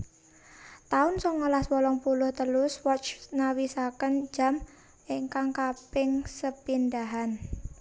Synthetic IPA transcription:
t̪aʊnsɔŋːəlaswɔlɔŋpulʊht̪əlʊswɔt͡ʃnawisakənd͡ʒ̥am | ʔiŋkaŋkapɪŋsəpindaɦan

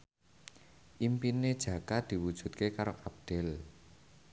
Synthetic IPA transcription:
ʔimpined̥ʒ̥ä̤kad̪̥i̤wud̥ʒ̥ṳt̪̚kekaɾoʔab̚d̪̥ɛ̤l

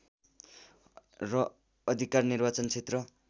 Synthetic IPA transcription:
rʌː | d̪ʱikarnirbat͡sʌnt͡sʰet̪rʌ

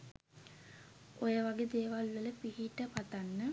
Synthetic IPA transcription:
ojəʋaɡed̪eːʋalʋələpiɦiʈəpat̪anːə

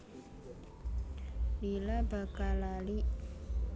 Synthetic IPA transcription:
bilabəkalali

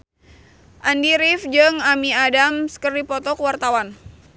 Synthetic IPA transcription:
ʔandiɾifd͡ʒɨŋamiadamsə̥kərdipɔt̪ɔkəwart̪awan

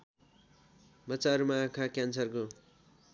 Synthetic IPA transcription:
mʌt͡saɾumaːkʰakjansʌrko

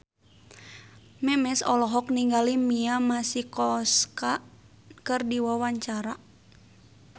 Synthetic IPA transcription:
mɛmɛsɔlɔɦɔk̚niŋɡalimiamasikɔska | kɨrdiwawaɲt͡ʃaɾa

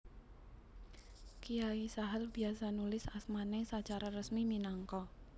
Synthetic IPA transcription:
kijaisaɦəlbiasanulɪsasmanesat͡ʃaɾarəsmiminaŋkɔ

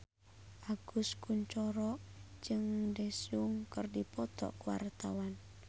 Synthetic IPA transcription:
ʔaɡ̥uskuɲt͡ʃɔɾɔd͡ʒɨŋdɛsuŋkərdipɔt̪ɔ̰ʔkəwa̰rt̪awan

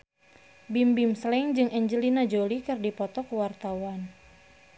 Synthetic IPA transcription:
bimbimslɛŋd͡ʒɨŋʔɛɲd͡ʒəlinad͡ʒolikɨrdipɔt̪ɔkəwart̪awan

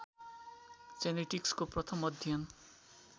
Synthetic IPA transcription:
t͡seneʈikskoprʌt̪ʰʌmʌd̪ʱjʌn

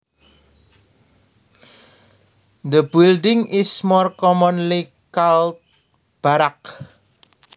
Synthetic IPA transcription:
d̪əbilɖɪŋʔɪsmɔrkɔmɔnli | kalt̪̚ | b̥aɾak

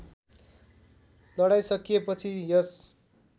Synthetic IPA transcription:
lʌɽajsʌkijepʌt͡sʰijʌs

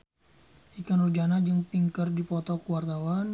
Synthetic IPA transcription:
ʔikanurd͡ʒanad͡ʒəŋpiŋkərdipɔt̪ɔkuwart̪awan

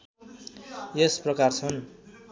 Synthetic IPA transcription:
jesprʌkart͡sʰʌn

